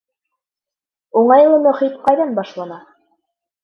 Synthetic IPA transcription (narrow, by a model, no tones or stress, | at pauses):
uɴɑjlˠɤmɵ̆χit̪̚qɑjðɑnbɑʃlˠɑnɑ